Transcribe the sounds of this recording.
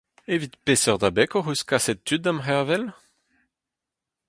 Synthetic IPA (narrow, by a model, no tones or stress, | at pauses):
evit̪pesœʁd̪abɛkɔʁyskasɛt̪̚t̪ːyt̪̚damʁevɛl